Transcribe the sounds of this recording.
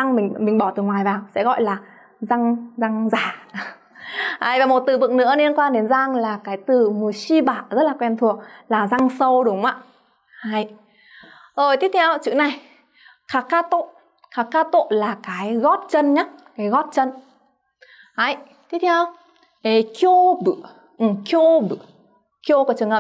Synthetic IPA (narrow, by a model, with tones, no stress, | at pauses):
a˧ŋmï˨˩ŋ̟mï˨˩ŋ̟ɓɔ˧˩t̪ɨ˨˩ŋwaː˨˩jvaː˨˩wsɛ̰˧˥ɣɔ̰˧˨jlaː˨˩ | za˧ŋza˧ŋzaː˧˨˩ | ha̰ː˧˩jvaː˨˩mo˨˩t̚t̪ɨ˧˩vɨ˨ŋ̚nɨ̰˧˥əli˧ənkwaː˧nɗe˨˦nza˧ŋlaː˨˩kaː˨˦jt̪ɨ˨˩mu˨˩əsi˧ɓaː˧˩zə˦˥t̚laː˨˩kwɛ˧˩nt̪ʰu˨˩ək̚laː˨˩za˧ŋsə˧wɗʊ˨˦ŋ͡mʔa̰ː˧˨ | ha˧˩j | zo˨˩jt̪i˦˥ət̪̚ʰɛ˧wt͡ɕɨ̰˧˥na˨˩j | kaː˨˩kaː˧t̪o̰˧˨ | kaː˨˩kaː˧t̪o̰˧˨laː˨˩kaː˨˦jɣɔ˦˥t̚t͡ɕə˧nɲa˦˥kaː˨˦jɣɔ˦˥t̚t͡ɕə˧n | ha˧˩jt̪ʰi˦˥t̪ʰɛ˧w | ʔə˨˦jki˧o˧bɨ˧˩˨ | ʔɨ˨˩ki˧o˧ɓɨ˧˩ | ki˧o˧ku˨˦t͡ɕɨ˨˩əŋhəː˨˩